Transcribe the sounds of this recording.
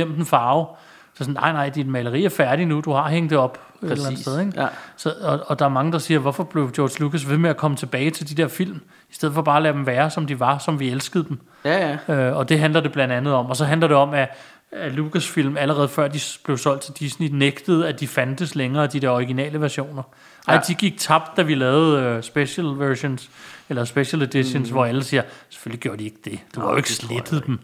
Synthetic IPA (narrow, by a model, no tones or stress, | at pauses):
em̰d̥n̩fɑ̈ːʊ̥ | sɔnːɑ̈ɪ̰nɑ̈ɪ̰d̥inmæɪləʁḭːæɐfæɐɾinud̥uhɑ̈ɦeŋ̰d̥eɒ̽b̥ | ellænsseð̩ˠeɡ̥sɒ̽ɒɒ̽d̥ɑ̈æɐmɑ̈ŋəd̥ɑ̈siːɐʋɒfɒ̽b̥le̝ʊd̥jɒːd̥lukʰæs̬ʋe̝meækʰɒ̽mət͡sʰe̝b̥ɛːɪt͡sʰe̝ld̥id̥eɐfil̰m | i̥sd̥eð̞̰ˠfɒ̽b̥ɑ̈ːlæd̥emʋæːɐsɒ̽md̥iʋɑ̈sɒ̽mʋielsɡ̥əð̩ˠd̥em | øɒ̽d̥e̝ɦænlɐd̥e̝b̥lænd̥ænð̩ˠɒ̽m̰ɒ̽sɒ̽ɦænlɐɾ̥e̝ɒ̽mæː | lukʰæsfil̰mæləʁɛːð̞̩ˠfɶɐ̰d̥ib̥le̝ʊsɒ̽l̰d̥̚t͡sʰe̝d̥isnineɡ̥d̥əð̞̩ˠæd̥ifænd̥əsleŋɐːd̥id̥eɐɒʁiɡ̥inɛ̰ːləʋæɐɕo̝̰ːnɐ | ʔɑ̈ɪ̰d̥iɡ̥iɡ̥̚t͡sʰɑ̈b̥̚d̥ːæʋilɛːʊð̩ˠøsb̥eɕəlʋæɕo̝nselɐsb̥eɕəled̥iɕensʋɒæləsiːɐse̥føl̰iɡ̥jo̝ːɐd̥ie̝ɡ̥əd̥e̝d̥eʋɑ̈jo̰e̝ɡ̥sled̥ð̩ˠd̥m̩